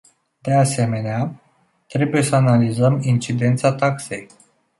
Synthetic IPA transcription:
d̪̥e̞ase̞me̞nea | t̪ɾe̞buje̞səanalizəmint͡ʃid̪e̞nt̪sat̪akse̞j

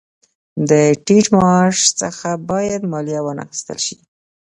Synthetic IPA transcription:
d̪əʈid͡ʒmɑʃt͡səxabɑjad̪mɑlijawəna̰xi̥st̪ə̰lʃi

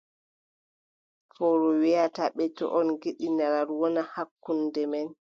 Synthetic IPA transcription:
fɔɾɔwiataɓɛtɔ̰ʔɔnɡeɗinaɾaɾwɔnahakːundɛmɛn

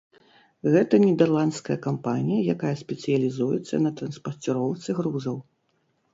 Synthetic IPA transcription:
ɣɛt̪ɐnʲɛd̪ɛrlˠant̪skɐjɐkampanʲijɐjakajɐsʲpʲɛt̪sɨjɐlʲizujɛt̪sːɐ̰nɐt̪ɾɐnspɐrt͡sʲiɾɔwt̪sɨɣɾuzɐw

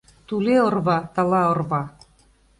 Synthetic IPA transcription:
t̪uleorβɑt̪ɑlˠɑŏrβɑ

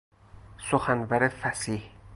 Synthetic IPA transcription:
soxænvæɾefæsih

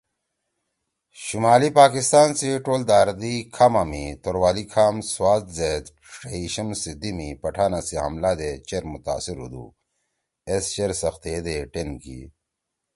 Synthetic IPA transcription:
ɕumaːlipaːkist̪aːnsiʈoːld̪aːɾd̪ikʰamamit̪oɾwaːlikʰaːmswaːt̪zeːd̪ | ʂeiɕɐmsid̪imipɐʈʰaːnasiɦɐ̰mlad̪et͡ɕeɾmut̪a̰ːsiɾṵd̪ṵ | est͡ɕeɾsɐxt̪eed̪eʈenkḭ

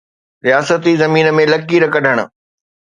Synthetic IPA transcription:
ɾijaːsət̪izɐmiːnəmẽlɐkiɾɐkʰɐɖʱəɽ̃ʊ̰̆

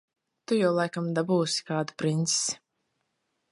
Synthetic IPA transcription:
t̪ujawlˠajkamd̪abuːsi̥kaːd̪u̥pɾint̪ssi̥

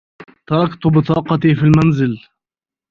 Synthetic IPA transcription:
t̪ɑɾˤɑkt̪ʊbɪt̪ɑːqɑt̪iːfilmanzɪl

